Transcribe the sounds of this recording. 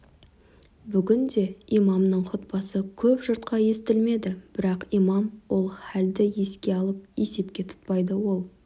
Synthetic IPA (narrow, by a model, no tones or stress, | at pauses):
bʏɡʲɪnd̪e̞imɑmnəɴχʰʊt̪̚pɑsəkʲʰɵpʒəɾt̪qɑje̞st̪ɪlme̞d̪ɪb̥ɪɾɑqijmɑmwo̞lˠχæld̪ɪje̞skʲe̞ɑlˠəp̚je̞se̞p̚kʲe̞t̪ʰʊ̥t̪̚pɑjd̪əwo̞lˠ